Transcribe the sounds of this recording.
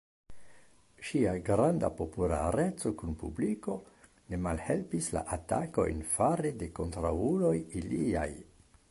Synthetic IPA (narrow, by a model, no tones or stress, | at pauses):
ʃiaɡɾanda̰po̞pula̰ɾe̞t͡so̞kunpubliko̞ | ne̞malhe̞lpisla̰ʔatako̞̰jnfaɾede̞ko̞ntɾaulo̞jilia̰j